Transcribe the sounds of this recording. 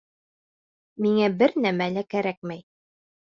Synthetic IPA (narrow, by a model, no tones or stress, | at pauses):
miŋæbɘɾnæmælækæɾæk̚mæj